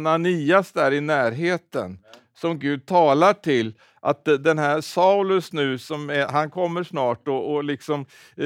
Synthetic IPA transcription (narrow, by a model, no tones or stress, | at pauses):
naniːasd̪æːɾɪnæːɾɦeːt̪ə̰n | sɔmɡʉ̟ːd̪̚t̪ʰɑːlaʈʰɪlː | ʔa̰t̪d̪ɛnɦæːɾsaʊlɵsnʉ̟ːsɔmɛɦankʰɔmːəʂnɑːʈɔːlɪksɔm